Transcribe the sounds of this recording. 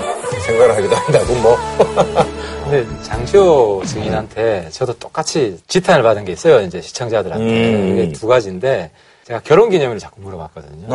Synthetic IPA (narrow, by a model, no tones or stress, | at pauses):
sʰe̞ŋɡaɡɯɭɦaɡidandaɡomwʌ | kɯnde̞t͡ɕaŋɕʰiot͡ɕɯŋinɦantʰe̞t͡ɕʌdot͈ok͈at͡ɕʰit͡ɕitʰanɯɭpadɯnɡe̞is͈ʌjoind͡ʑe̞ɕʰi̥t͡ɕʰʌŋd͡ʑadɯɾa̰nʰeɯɡetuɡad͡ʑinde̞ | t͡ɕe̞ɡakjʌɾoŋɡiɲʌmɾɯɭt͡ɕḁk͈umːuɾʌmak͈̚ʌdɯɲo